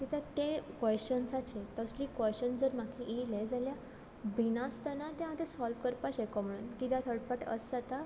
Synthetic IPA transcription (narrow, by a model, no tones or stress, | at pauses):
kit̪ãt̪ekɔɕənsat͡ɕet̪əsliːkəɕənsd͡zəɾmakʰiiled͡zalja | binast̪anat̪ẽɦãt̪esɔlfkəɾpasekɔm̤əɽunkit̪jãt̪ʰəɽpaʈə̰sat̪a